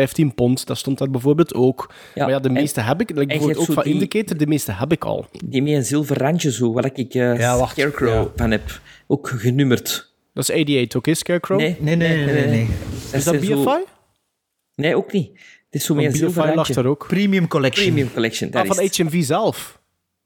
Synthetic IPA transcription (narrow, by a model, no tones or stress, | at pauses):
ɛjftinpɔntdastɔntarbəvoːrbeːlˠtoːkː | majadəmeːstəɦɛbɪkɛɡbvtoːfɑɪndəkeːtərdəmeːstəɦɛpɪkʰɑ̰lˠdimeːənzɪlˠvərːant͡ʃəzoːwadakɪkːjaːaxtɛɹkɹowvanɛpoːkɣənymərt | d̥ɑsɛjdiejtokeːskɛɹkɹonneneenedɪzzdbifaj | neːoːkniətɪsoːmeəbilˠfvajlɑxtaɾoːkpriːmijʉmkɔlɛkʃimiʉmkɔlɛkʃə̰ndɪvɑnɛjtɛnviːzɛlˠf